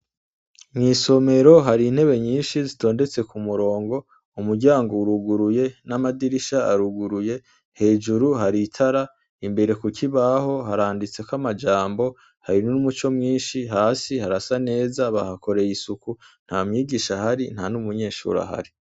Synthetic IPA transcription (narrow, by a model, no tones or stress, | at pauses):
mŋiːso̞me̞ɾo̞ɦaɾiːn̥he̞βe̞ɲiːnʃizito̞ːnde̞t͡se̞kumuɾo̞ːŋɡo̞ | umuɾɟaːŋɡouɾuɡuɾuje̞namadiɾiʃaːɾuɡuɾuje̞ | he̞ːd͡ʒuɾuɦaɾitʰaɾa | imbe̞ɾe̞kucʰiβaho̞ɦaɾaːndit͡se̞kwamad͡ʒaːmbo̞ | haɾinuumut͡ʃo̞mŋiːnʃiɦaːsihaɾasane̞ːzaβahako̞ɾe̞jisukun̥hamɲiːɡiʃahaɾin̥hanumuɲe̞ːʃṵːɾa̰ha̰ɾi